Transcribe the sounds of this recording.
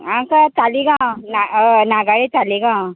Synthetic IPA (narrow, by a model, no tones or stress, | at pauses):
ãkat͡saliɡãnanaɡaɭet͡saliɡã